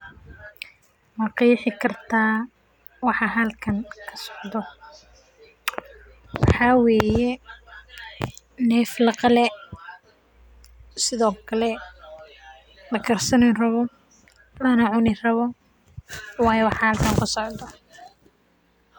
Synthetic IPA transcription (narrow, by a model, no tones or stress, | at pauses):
mɑqɑjɪħɪkʰɐrt̪ʰaː | wɑħɑɦɐlkʰɐŋkʰɐ̥sɔ̥ʕd̪ɔ | wɑħɑwɛːjɛ | nɛːflɐqɑlɛ | sɪðɔːkʰɐlɛ | lɐɡʰɐrsɐnɪnrɐβɔ | lɐnɐʕʊnɪrɐβɔ | wɑːjɛwɑħɑhɐlkʰɐŋkʰʊsɔʕd̪ɔ